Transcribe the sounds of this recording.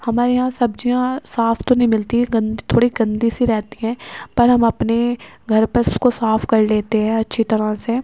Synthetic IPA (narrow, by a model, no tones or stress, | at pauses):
hɐmaːɾeɦãsɐbd͡ʒijãsaːfʰt̪onɐɦĩmɪlt̪iɡɐ̃nd̪it̪ʰoːɽiɡɐ̃nd̪isiɾɛɦt̪iɦɛ̃ːpɐɾɦɐmɐpneɡʱɐɾpɐɾʊskosaːfʰkɐɾleːt̪eɦɛ̃ɐtːʃʰit̪ɐɾase